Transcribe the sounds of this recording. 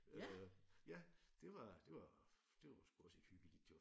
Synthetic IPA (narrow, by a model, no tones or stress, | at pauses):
øjæd̥e̝ʋɑ̈d̥e̝ʋɑ̈ | d̥e̝ʋɑsɡ̥uɒse̝ɡ̥hyɡ̥əlḭːd̥ʰe̝